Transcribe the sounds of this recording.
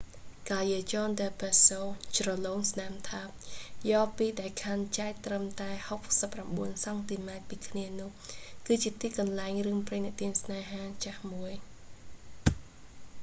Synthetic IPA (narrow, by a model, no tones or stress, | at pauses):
kaːjiət͡ɕɑːndəːpɛsoːt͡ɕrɑloːŋsnamt̪ʰap̚jɑːpiːɗaɛlkʰant͡ɕaɛk̚t̪rəmt̪aɛhok̚səpːramɓuənsɑŋt̪iːmaɛt̪̚piːkʰniənʊ̆əhkɨːt͡ɕiət̪iːkɑnlaɛŋrɨəŋprɨŋnɨ̆ʔt̪iənsnaːɦaːt͡ɕahmuəj